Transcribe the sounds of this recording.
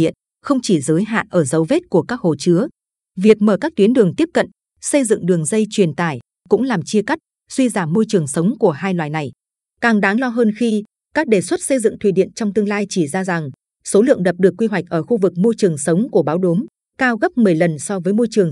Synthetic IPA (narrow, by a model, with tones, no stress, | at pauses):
ḭ˧˨ən | xə˧wŋ͡mt͡ɕi˧˩zəː˨˦jɦa̰ː˧˨nʔəː˧˩zə˨˦wve˦˥t̚ku˧˩əkaː˦˥k̚ho˨˩t͡ɕɨ˨˦ə | vi˨˩ək̚məː˧˩kaː˦˥k̚t̪wi˨˦ənɗɨ˨˩əŋt̪i˦˥əp̚kə̰˧˨n | sə˧jzɨ̰˧˨ŋɗɨ˨˩əŋzə˧jt͡ɕwi˨˩ənt̪aː˧˩j | kʊ̰˧˥ŋ͡mlaː˨˩mt͡ɕi˧əka˦˥jk̚ | swi˧zaː˧˩mːo˧jt͡ɕɨ˨˩əŋsə˨˦wŋ͡mku˧˩əɦaː˧jlwaː˨˩jna˨˩j | kaː˨˩ŋɗaː˨˦ŋlɔ˧ɦəː˧nxi˧ | kaː˦˥k̚ɗe˨˩swə˦˥t̚sə˧jzɨ̰˧˨ŋt̪ʰwḭ˧˩ɗḭ˧˨ənt͡ɕɔ˧wŋ͡mt̪ɨ˧əŋlaː˧jt͡ɕi˧˩zaː˧za˨˩ŋ | so˨˦lɨ̰˧˨əŋɗə˨˩p̚ɗɨ˨˩əkːwi˧ɦwa˨˩jk̟̚ʔəː˧˩xu˧vɨ˨˩k̚mo˧jt͡ɕɨ˨˩əŋsə˨˦wŋ͡mku˧˩əɓaː˨˦wɗu˨˦m | kaː˧wɣə˦˥p̚mɨ˨˩əjlə˨˩nsɔ˧vəː˨˦jmo˧jt͡ɕɨ˨˩əŋ